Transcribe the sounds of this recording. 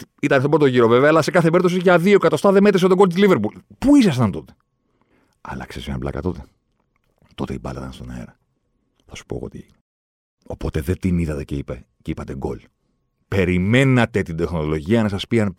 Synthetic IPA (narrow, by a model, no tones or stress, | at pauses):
it̪ɐnest̪obɾot̪o̞ʝiɾo̞ve̞veɐːlɐse̞kɐθepe̞ɾit̪osiʝɐðiokɐt̪ost̪ɐðeme̞t̪ɾes̬t̪oɡolt̪iliveɾpulpuisɐs̬t̪ɐnt̪o̞t̪e̥ | ɐ̰lɐ̰ksesɐ̰blɐ̰kɐ̰t̪o̞t̪e | t̪o̞t̪eibɐ̰lɐ̰ðɐ̰nst̪onɐ̰ḛɾɐ | θɐsu̥po̰ɣo̰t̪i | opo̞t̪eðet̪iniðɐt̪eceipe | ceipɐt̪e̞ɡo̞̰l | pe̞ɾime̞nɐt̪e̞t̪id̪e̞xno̞lo̞ʝiɐnɐsɐspiɐn